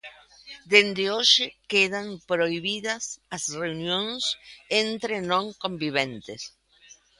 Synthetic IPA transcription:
d̪end̪eoʃekeðampɾoiβiðɐsasreunjõnsent̪ɾenõŋkõmbiβẽnt̪es

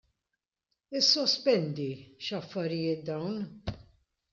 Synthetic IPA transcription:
ɪsːɔspɛnd̪iʃɐfːɐɾɪjɪːt̪̚d̪ɐwn

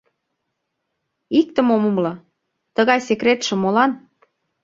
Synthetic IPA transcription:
ik̚t̪ə̆momə̆mlɤ̆ | t̪əɣɑjsekɾet̪ʃə̆molɑn

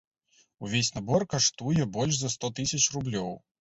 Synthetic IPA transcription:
uvʲesʲnabɔrkaʂt̪ujɛbɔlʲʐzɐst̪ɔt̪ɨsʲɐt͡ʂrublʲɔw

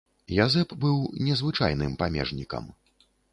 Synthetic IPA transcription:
jazɛpbɨwnʲɛzvɨt͡ʂa̰jn̪ɨmpamʲɛ̰ʐnʲikɐ̰m

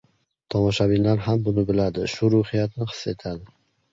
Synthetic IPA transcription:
t̪ʰɒmɒʃabɪnlːaɾɦambʊnɪbɪlad̪ɪʃʊɾuhɪjat̪nɪhɨ̥sːe̞t̪ʰad̪ɪ

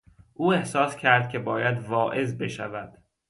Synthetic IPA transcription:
ʔuːehsɒːscʰæɾd̪̥̚cʲʰe̞bɒːjæd̪vɒːʔe̞zbe̞ʃæ̰væd̪̥

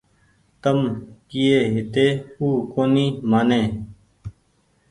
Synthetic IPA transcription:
t̪əmkɪeːɦɪt̪eːuːkoːniːmaːnẽː

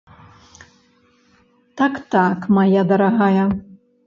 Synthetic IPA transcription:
t̪akt̪akmajad̪ɐɾaɣajɐ

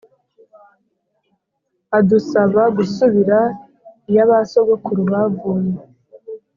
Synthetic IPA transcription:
adusaβaɡusuβiɾa | ijaβasoɡekuɾuβavuːne

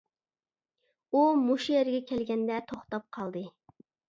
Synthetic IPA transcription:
umoʃijɛɾɪɡʲɛkʲʰɛlɡʲɛnd̪ɛt̪ʰoχt̪ɑp̚qʰɑlˠd̪ɨ

